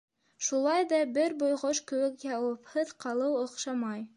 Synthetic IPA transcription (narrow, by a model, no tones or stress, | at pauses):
ʃulˠɑjðɑbɘɾbŏjʁoʃkɘ̆wɘkjɑwɤ̆phɤðqɑlˠɤwŏqʃɑmɑj